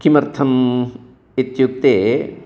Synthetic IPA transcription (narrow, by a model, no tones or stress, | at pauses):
kʰimɐɾt̪ʰɐm | it̪juk̚t̪eː